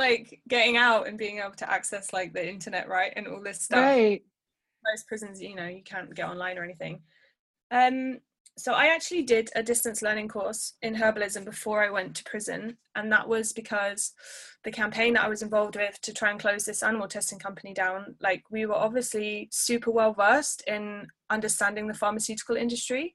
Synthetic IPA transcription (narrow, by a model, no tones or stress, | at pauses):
laɪkɡ̥ɛtɪ̃ŋaʊtə̰̃nbiːɪ̃ŋeɪbl̩ˠtʰə̰ʔa̰ksɛslaɪk̚ðiɪ̃ntənɛ̰ʔɹaɪtɨ̰̃nɔ̰ːlˠðɪstʌf | ləʊz̥pʰɹ̥ɪzə̃nzjənoʊjəkʰæ̃nɡ̥ɛtɒ̰̃nlãɪ̃nə˞ɛniθɪ̰̃ŋ | ʌ̃m | soʊʔaɪak̚t͡ʃʉəl̩ˠidɪdədɪstə̃nslɜːnɪ̃ŋkʰɔˑɹsɪ̃nɦɜːbəlɪzə̃mbɪfɔːɹaɪwɛ̃ntʰə̥pʰɹ̥ɪzə̰̃n | ʔə̃nðə̰ʔwʔɒzbɪkʰɒz̥ðəkʰãmpʰẽɪ̃nðəʔaɪwɒzɪ̃ɱvɒlˠvd̚wɪð̥tʰətʰɹ̥aɪə̃nkʰl̥əʊzðɪsanɪməlˠtʰɛstɪ̃ŋkʰʌ̃mpənidãʊ̃nlaɪkwiwə˞ʔɒbviəslisʉˑpʰəwɛlˠvɜˑstɪ̃n | ʌ̃ndəstãndɪ̃ŋðəfɑːməsjʉˑtɪ̥kəlɪ̰̃ndəstɹ̥i